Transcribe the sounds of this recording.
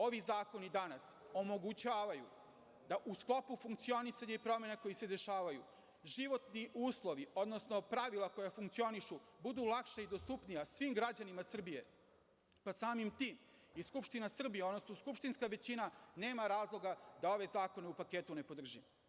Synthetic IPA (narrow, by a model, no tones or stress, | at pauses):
o̞ʋizaːko̞nid̪anaso̞mo̞ɡut͡ɕaːʋajṵ | d̪aʔusklˠo̞pufuŋkt̪sio̞nisaɲaipɾo̞me̞nako̞jise̞d̪e̞ʃaːʋajṵ | ʒiʋo̞t̪niʔuːslˠo̞ʋio̞d̪no̞sno̞pɾaʋilˠako̞jafuŋkt̪sio̞niʃubud̪uːlˠakʃaid̪ost̪upnijasʋimɡɾad͡ʑanimasr̩bije̞ | pasaːmimt̪iːm | iskupʃt̪inasr̩bijeod̪nosnoskupʃt̪inskaʋe̞t͡ɕinane̞ːmaɾaːzlˠo̞ɡad̪ao̞ʋe̞zaːko̞neupake̞t̪une̞po̞d̪r̩ʒi